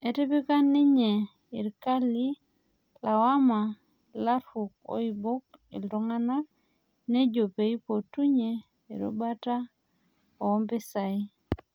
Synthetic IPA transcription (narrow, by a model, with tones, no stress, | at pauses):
e˨te˦pi˦ka˦nːi˦ɲe˨ | i˨ɾka˦li˦ | la˨wa˦ma˨ | la˦ɾu˨k̚o̰˦i˨bo˦k̚ḭ˨ldo˦ŋa˦na˦k̚ | ne˦d͡ʒo˨pe˨i˦po˨tu˦ɲḛː˨ | ɾo̰˦ba˦ta˦ | o˨ɔ˦mbe˦sa˨i˦